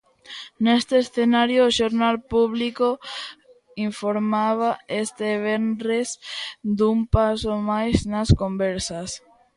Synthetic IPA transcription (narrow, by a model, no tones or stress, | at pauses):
nest̪eːsθenaɾjoʃoɾnalpuβliko | iɱfoɾmaβ̞aest̪eβenɾesd̪umpasomajsnaskombeɾsas